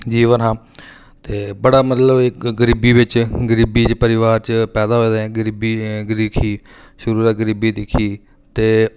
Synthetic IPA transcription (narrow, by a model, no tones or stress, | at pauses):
d͡ʒiːʋənɦãː | t̪eːbəɽaːmət̪ləbeɡəɾiːbiːʋɪt͡ʃɡəɾiːbiːt͡ʃpəɾɪʋaːɾt͡ʃpɛːd̪aːɦoeːd̪ɛ̃ːɡəɾiːbiːɡəɾiːkʰiː | ʃʊɾuːɾaːɡəɾiːbiːd̪ɪkʰiː | t̪eː